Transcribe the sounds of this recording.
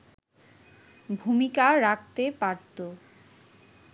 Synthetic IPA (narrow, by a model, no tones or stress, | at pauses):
bʱumikaɾak̚t̪epaɾt̪o